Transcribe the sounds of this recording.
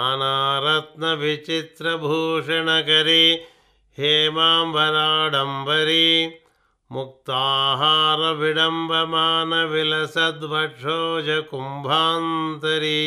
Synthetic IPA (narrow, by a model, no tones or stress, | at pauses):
anaːɾɐt̪nɐʋit͡ʃit̪ɾɐbʱuːʂɐɳɐkɐɾi | heːmaːmbʱɐɾaːɽɐmbɐɾi | muk̚t̪aːɦaːɾɐʋiɽɐmbʱɐmaːnɐʋilɐsɐd̪ʋɐʈʂʰoːd͡ʒɐkumbʱaːnt̪ɐɾi